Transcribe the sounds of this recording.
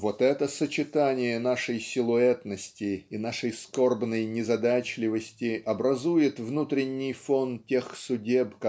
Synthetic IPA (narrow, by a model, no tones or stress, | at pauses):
vo̞t̪ɛt̪əsət͡ɕɪt̪anʲɪjənaʂəjsʲɪlˠʊɛt̪nəsʲtʲɪːnaʂəjsko̞rbnəjnʲɪzɐd̪at͡ɕlʲɪvəsʲtʲɪɐbɾɐzujɪt̪vnut̪ɾʲɪnʲːɪjfo̞ntʲe̞xsʊdʲepk